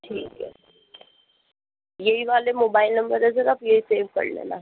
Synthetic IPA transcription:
ʈʰiːkɛ̰ | jeɦiʋaːlemoːbaːɪlnɐ̃mbəɾɛzɐɾaːpjeɦiseːʋkɐ̰ɾnḛla̰

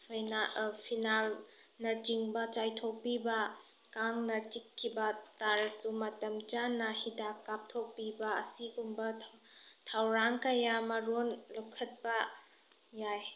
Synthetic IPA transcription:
pʰajnapʰinal | nɐd͡ʒiŋbɐt͡ʃajtʰok̚pibɐ | kaŋnɐtikʰːibɐtaɾsumɐtɐmt͡ʃanːɐhidakːap̚tʰok̚pibɐɐ̰siɡumbɐtʰawɾaŋkɐjamɐɾonlukʰɐt̚bɐ | jaj

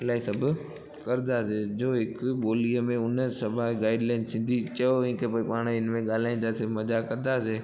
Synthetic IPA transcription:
ɪlaːisɐbʱʊ | kɐɾɪd̪aːsed͡ʑoːɦɪkɓoːliəmẽʊnəsɐbʱaɡaːɪɖlãɪ̃ɖsɪ̃nd̪ʱit͡ɕɐjoẽːkepoːipaːɽ̃ɪnmẽɠaːl̤aːĩnd̪asɪɾmɐd͡ʑakɐɾd̪aːseː

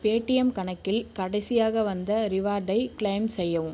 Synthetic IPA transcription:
peːʈːɪjɐmkɐɳɐkːɪlkɐɽɐɪsɪjaːɣɐʋɐnd̪ɐɾɪʋaːɾɖɐɪkɭɐɪmsɛjːɐʋɯm

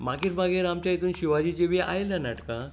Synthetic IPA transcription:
maɡiɾmaɡeɾamt͡ɕait̪uːnɕiʋad͡ʑit͡ɕeʋeʔa̰jeljanaʈkã

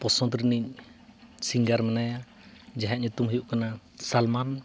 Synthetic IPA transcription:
pɔsɔt̪ɾiniɲ | siŋɡaɾmɛnaja | d͡ʒaɦɛʔɲɛt̪umɦujuʔkana | salman

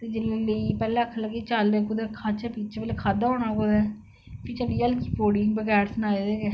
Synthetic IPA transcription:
t̪eːd͡ʒɪlleipɛːlẽːəkʰːələɡeːt͡ʃalʋeːkʊd̪ɛkʰaːt͡ʃɛpiːt͡ʃʰpɛːlekʰaːd̪aːɦoːnaːkʊd̪ɛː | pʰɪt͡ʃəliːəlkiːpoːɽɪŋɡbəɡɛːɾsənaːeːd̪eː

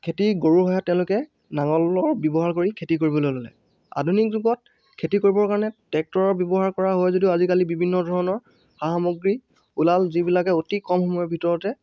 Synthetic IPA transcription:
kʰetiɡoɹuɦɔjatːɛʊ̃lʊkɛ | naŋɔlɔɹbjɔbɔɦaɹkoɹikʰetikoɹibɔlojlolɛ̰ | a̰dʱunik̚zuɡɔt̚ | kʰetikoɹibɔɹkaɹɔnɛtɛk̚tɔɹɔbjɔbɔɦaɹkɔɹaɦojzodiʊazikalibibʱinːɔdʱɔɹɔnɔɹ | xaɦamoɡɹi | ulalzibilakɛotikɔmxɔmɔjɔɹbʱitɔɹɔtɛ

